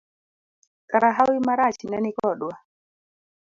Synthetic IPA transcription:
kaɾaɦawimaɾat͡ʃinɛnikɔɗwa

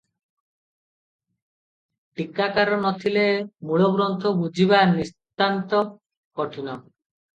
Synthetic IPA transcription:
ʈikːakaɾɔnɔt̪ʰilemuɭoɡɾɔnt̪ʰobud͡ʑʱiβanist̪ant̪ɔ | kɔʈʰinɔ

